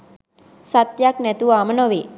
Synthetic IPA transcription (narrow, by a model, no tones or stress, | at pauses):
sat̪jaknɛt̪uʋaːmənoʋi